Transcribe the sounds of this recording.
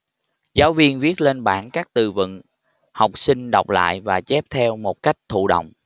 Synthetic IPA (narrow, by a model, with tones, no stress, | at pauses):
zaː˨˦wvi˧ənvi˦˥ət̚le˧nɓaː˧˩nkaː˦˥k̚t̪ɨ˧˩vɨ̰˧˨n | ha˨˩wk͡p̚sï˧ŋ̟ɗɔ˨˩wk͡p̚la̰ː˧˨jvaː˨˩t͡ɕɛ˦˥p̚t̪ʰɛ˧wmo˨˩t̚ka˦˥jk̟̚t̪ʰṵ˧˨ɗo̰˧˨wŋ͡m